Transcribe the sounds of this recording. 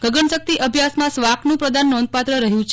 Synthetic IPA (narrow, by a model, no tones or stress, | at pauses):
ɡ̥əɡəɳsək̚t̪iʔəbʱjasmãsʋaknũpɾəd̪anːɔnd̪̚pat̪ɾəɾəɦjũt͡ʃʰ